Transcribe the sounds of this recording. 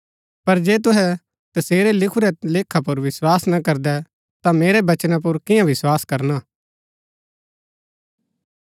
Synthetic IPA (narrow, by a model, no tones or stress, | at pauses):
pɐɾd͡ʒeːt̪̬ʊɦɛ | t̪ɐseːɾɛlɪkʰuɾɛleːkʰːapʊɾʋɪswaːsnɐkɐɾd̪ɛ | t̪ãmeːɾɛbɐt͡ʃnap̬ʊɾkɪjãʋɪswaːskɐɾnaː